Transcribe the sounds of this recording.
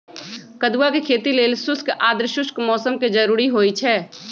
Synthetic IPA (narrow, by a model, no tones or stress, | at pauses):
kəd̪uwakekʰeːt̪ileːlsʊskʔaːd̪ɾʃʊskmɔːsəmked͡ʒəɾuːɾiɦoːit͡ʃʰɛː